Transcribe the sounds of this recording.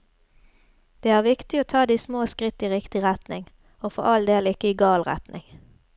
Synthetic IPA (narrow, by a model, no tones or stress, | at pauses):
d̪̥eːæːʁʋɪkt̪ɪoːt̪ʰɑːd̪iːsmoːskʁɪt̪ːiːʁɪkt̪ɪʁɛt̪nɪ̰ŋ | oːfɔ̰ʁɑld̪eːlɪkəiːɡɑːlʁɛ̰t̪nʔɪ̰ŋ